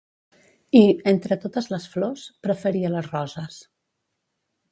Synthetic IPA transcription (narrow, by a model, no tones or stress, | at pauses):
ient̪ɾət̪ot̪əzləsflospɾəfəɾiələzrɔzəs